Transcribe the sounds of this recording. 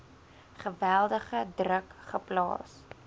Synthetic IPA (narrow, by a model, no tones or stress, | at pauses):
χəvælˠdəχədrəkχəplɑ̰ːs